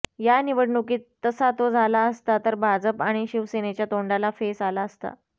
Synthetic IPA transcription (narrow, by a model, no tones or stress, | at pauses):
janiʋəɽɳukiːt̪ːəsat̪od͡zʱalaəst̪at̪əɾbʱad͡zəpaɽ̃iɕiʋsenet͡ɕjat̪oɳɖalafesalaəst̪a̰